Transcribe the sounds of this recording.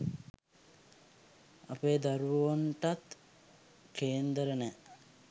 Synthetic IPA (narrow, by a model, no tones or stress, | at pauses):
apeːd̪aɾuʋuʋoɳʈat̪ | kʰeːnd̪əɾənɛ